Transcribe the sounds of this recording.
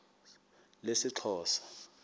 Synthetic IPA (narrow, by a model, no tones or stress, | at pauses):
lesɪǁʰɔːsɔ̥